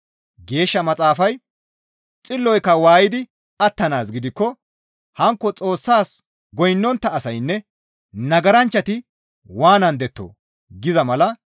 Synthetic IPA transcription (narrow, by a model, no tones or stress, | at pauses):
ɡe̞ːʃːɐmɐt͡sʼaːfɐj | t͡sʼɪlːɔjkːɐwaːjɪd̪ɪ | ɐt̪ːɐnaːsɡɪd̪ɪkːɔ | hɐŋkːɔt͡sʼo̞ːsːaːs | ɡɔjnːɔnt̪ːɐːsɐjnːɛ | nɐɡɐɾɐnt͡ʃːɐt̪ɪ | waːnɐnd̪ɛt̪ːo̰ː | ɡɪzɐmɐlɐ